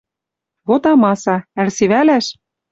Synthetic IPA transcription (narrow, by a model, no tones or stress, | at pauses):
βot̪ɑmɑsɑælseβælæʃ